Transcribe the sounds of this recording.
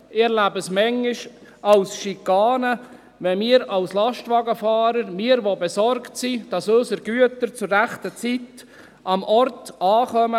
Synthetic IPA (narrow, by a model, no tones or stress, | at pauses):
ɪɛɾlæbəsmɛŋːɪʃɑlsʃikːɑːnə | ʋɛmiːəɾɑwslɑʃtʋɑɡəfɑːɾəɾmɪːəɾʋobɛsɔɾktsid̥ɑsøsəɾɡ̥yətəɾt͡sʊɾːæχtət͡sit | ʔɑmʔɔrtɑːχœmə